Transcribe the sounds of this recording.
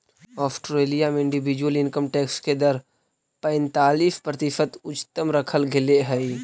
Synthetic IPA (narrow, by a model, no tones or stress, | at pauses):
ɔːsʈɾeːlijameɪ̃ɳɖɪbɪd͡ʒwəlɪnkəmʈeːksked̪əɾ | pɛ̃ɪnt̪aːliːfpɾət̪ɪʃət̪ʊt͡ʃt̪əmɾəkʰəlɡʱɪleɦəi